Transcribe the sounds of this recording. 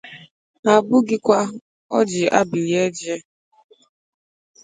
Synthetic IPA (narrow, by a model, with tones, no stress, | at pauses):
a˨bʊ˦ɡɪ˦kʷa˦ | ɔ˦d͡ʒɪ˨a̰˦bi˨ɾje˦d͡ʒe˦